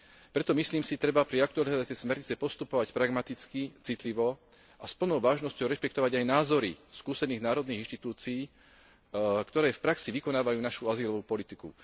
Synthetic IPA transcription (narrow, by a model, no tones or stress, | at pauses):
pɾɛt̪ɔmisliːmsit̪ɾɛbapɾiak̚t̪ualizaat͡sɛjsmɛɾɲit͡sɛpɔst̪upɔʋacpɾaɡmat̪it͡skit͡sit̪liʋɔ | ʔaspl̩nɔʊʋaːʒnɔscɔʊɾɛʃpɛkt̪ɔʋaɟajnaːzɔɾiskuːsɛniːɣnaːɾɔd̪niːɣiñʃt̪it̪uːt͡siiː | kt̪ɔɾɛːfpɾaksiʋikɔnaːʋajuːnaʃuaziːlɔʋuːpɔlit̪ikṵ